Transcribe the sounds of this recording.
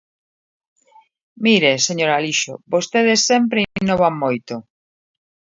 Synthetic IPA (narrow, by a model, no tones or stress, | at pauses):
miɾeseɲoɾaliʃo̰bost̪eðesːɛmpɾeinoβaŋmojt̪o